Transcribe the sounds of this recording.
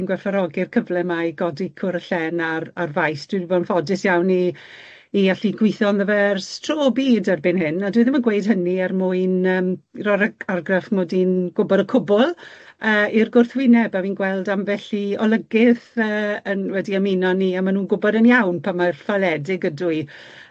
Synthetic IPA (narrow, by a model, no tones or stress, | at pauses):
nɡwɛfaɾɔɡɪrkʰəvlɛmajɡ̥ɔdikʰʊɾəɬɛnararvajsd̥widibɔnfɔdɪsjawniː | aɬiɡwɪθɔnðəvɛrstʰroːbiːdarbɪnɦɪnadwiɨðɪnmaɡwejd̥ɦəniarmʊɨnəːmrɔɾəarɡrɛfmoːdinɡ̥ʊbɔɾəkʰʊbʊlˠəːirɡʊrθwɪnɛbawiːnɡwɛlˠdamvɛɬiɔlˠəɡɪθəːənwɛdiaminɔniamanuːnɡʊbɔdənjawnpʰamarfalˠɛdɪɡədui